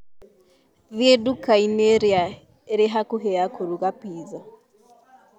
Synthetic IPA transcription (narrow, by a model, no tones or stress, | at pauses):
ðjedukaineɾja | eɾeɦakuɦɛakuɾuɣapiːza